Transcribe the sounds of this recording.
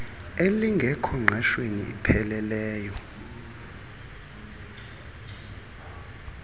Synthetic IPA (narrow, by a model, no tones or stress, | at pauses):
eliŋɡʱɛkʰɔŋ͡ǁʱɛʃweniḭpʰɛlɛlɛːjɔ